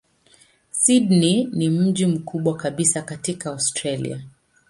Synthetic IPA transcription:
sidninim̩ʄim̩kʰuɓwakaɓisakatikaawstɾalḭa̰

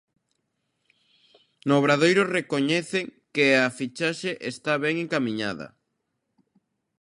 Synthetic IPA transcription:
noβɾaðejɾʊrekoɲɛθeŋkɪafit͡ʃaʃeʔest̪aβɛŋeŋkamĩɲa̰ðɐ̰

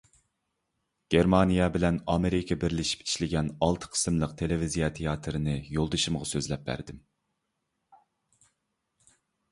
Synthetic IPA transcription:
ɡ̥ʲeɾmɑnijɛbɪlɛnɑmeɾikʲʰɑbɪɾlɪʃi̥pi̥ʃlɪɡʲɛnɑlˠt̪ʰə̥qʰə̥sɨmlˠəqt̪ʰelɪvizijɑt̪ʰejɑt̪ʰɨɾɨnɨjolˠd̪ɨʃɨmʁɑsøzlɛp̚bæ̰ɾd̪ɪm

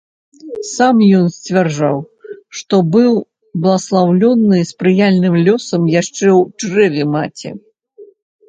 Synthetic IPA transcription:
samjɔnsʲt͡sʲvʲarʐaw | ʂt̪ɔbɨw | blˠɐslˠawlʲɔnːɨspɾɨjalʲnɨmlʲɔsɐmjaʂt͡ʂɛwt͡ʂrɛvʲɛmat͡sʲɛ̰

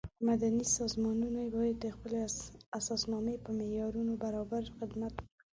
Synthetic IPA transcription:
mad̪anisɔzmɔnunebajat̪expəleaasɔsnɔmepəmejɔɾunobaɾɔbaɾxɪd̪mat̪̚k

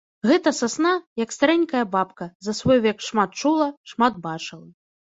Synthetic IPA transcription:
ɣɛt̪ɐsasnajɐkst̪aɾɛnʲkɐjɐbapkɐzɐsvɔjvʲɛkʂmat̪̚t͡ʂulˠɐʂmad̪̚bat͡ʂɨlˠɐ

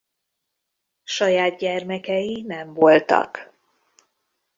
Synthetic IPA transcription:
ʃɒjaːd̪̚ɟɛrmɛkɛjinɛɱvo̞lt̪ɒ̰k

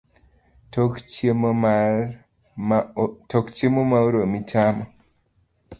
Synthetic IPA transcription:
t | tɔkt͡ʃemomauɾomitʰamɔ

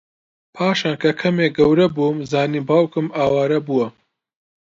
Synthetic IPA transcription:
pʰaːʃaːnkʰɐkʰɐmeːɡɐwɾɐbumzaːniːbaːwkɨmaːwaːɾɐbuwɐ

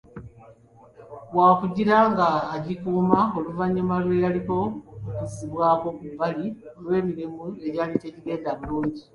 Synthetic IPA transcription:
βwaːkuɟiɾaŋɡaːɟikuːmao̞luvaɲːumalwe̞jaliko̞mukuziβwaːβo̞kubaliolwe̞ːmiɾimue̞ɟaliceciɾe̞ːdaβiluːɲɟi

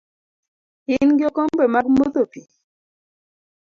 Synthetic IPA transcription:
ɪnɡjokombemaɡmot̪opi

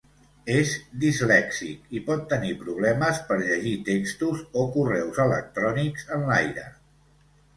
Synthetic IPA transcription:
ezd̪izlɛksikipɔt̪ːənipɾuβlɛməspəɾʎəʒit̪ekst̪uzokurɛwzələk̚t̪ɾɔnikz̥ənlajɾə̰

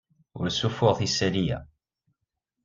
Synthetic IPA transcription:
ʊ̰ɾsufʊʁθisæɾijæ̰

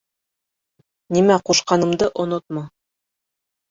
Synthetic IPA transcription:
nimæquʃqɑnɤ̆md̪ɤʔŏnot̪̚mɑ

